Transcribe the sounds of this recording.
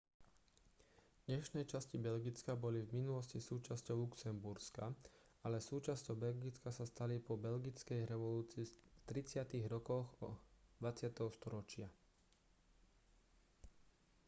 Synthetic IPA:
d̪̥ɲɛʃnɛjt͡ʃascibɛlɡit͡skabɔlivminulɔscisuːt͡ʃascɔʊluksɛmbuɾska | alɛsuːt͡ʃascɔʊbɛlɡit͡skasast̪alipɔbɛlɡit͡skɛjɾɛʋɔluːt͡siːt̪ɾit͡sɪat̪iɣɾɔkɔɣɔ̰d̪ʋat͡sɪat̪ɛɦɔst̪ɔɾɔt͡ʃɪa

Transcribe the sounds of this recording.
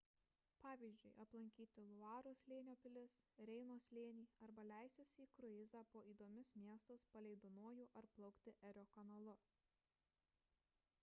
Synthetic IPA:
pɑːʋʲiːzʲd͡ʒʲʊɪʔɐplˠɐŋʲkʲiːt̪ʲɪlˠʊɑːɾoːslʲeːnʲoːpʲɪlʲɪsɾʲɛɪnoːslʲeːnʲiːɐɾbɐlʲæˑɪsʲt̪ʲɪsʲiːkɾʊɪzʲɑːpoːiːd̪oːmʲʊsmʲiɛst̪ɐspɐlʲɛɪd̪oːnoɔjuːʔɐɾplˠɐʊkt̪ʲɪʔɛɾʲoːkɐnɐlˠʊ

